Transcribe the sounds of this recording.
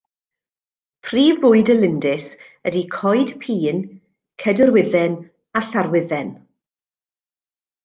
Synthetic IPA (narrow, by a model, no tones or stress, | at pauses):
pʰriːvʊɨdəlɪndɪs | ədikʰɔjd̥pʰiːn | kʰɛdəɾwɪðɛn | aɬaɾwɪðɛn